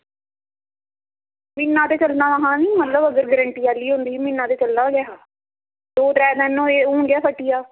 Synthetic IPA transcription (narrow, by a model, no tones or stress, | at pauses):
mɪnːãːt̪eːt͡ʃəlnaːaɦãːnĩːmət̪ləbəɡəɾɡəɾəɳʈiːaːliːɦõnd̪iːmɪnːãːt̪eːt͡ʃəlnaːɡɛːaː | d̪oːʈɾɛːnɛ̃ːnõːeːuːɳɡɪjaːpʰəʈːijaː